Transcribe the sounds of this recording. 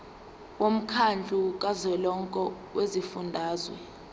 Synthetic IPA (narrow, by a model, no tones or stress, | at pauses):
wom̩kʰand͡ɮʱʼuk̬ʼazɛlɔŋkʼɔ | wʔezifundʱaːzwɛ̰